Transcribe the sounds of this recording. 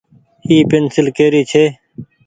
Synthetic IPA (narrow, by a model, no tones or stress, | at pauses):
iːpensɪlkeːɾiːt͡ʃʰeː